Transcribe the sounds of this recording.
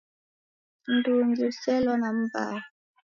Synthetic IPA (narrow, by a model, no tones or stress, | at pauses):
n̩duŋɡiusɛlɔnam̩ba̰